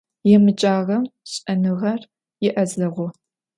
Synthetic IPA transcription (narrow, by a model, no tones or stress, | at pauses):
jɛmɨt͡ʃʼaːʁɐmɕʼɐnɨʁɐr | jɛʔɐzɐʁʷʊ